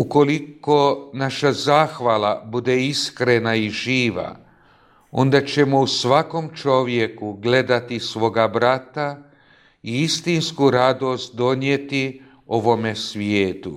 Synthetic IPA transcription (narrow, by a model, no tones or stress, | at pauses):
uko̞liko̞naʃazaːxʋalabud̪eiskɾe̞naiʒiːʋa̰ | o̞̰nd̪at͡ɕe̞mousʋako̞mt͡ʃo̞ʋje̞kuɡle̞d̪at̪isʋo̞ɡabɾat̪a | iist̪inskuɾad̪o̞st̪̚d̪o̞ɲjet̪i | o̞ʋo̞me̞sʋjeːt̪u